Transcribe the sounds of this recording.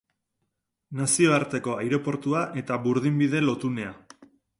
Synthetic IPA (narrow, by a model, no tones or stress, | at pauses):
nasio̞aɾt̪e̞ko̞ajɾo̞po̞ɾt̪uaʔe̞t̪aβuɾðimbiðe̞lo̞t̪une̞a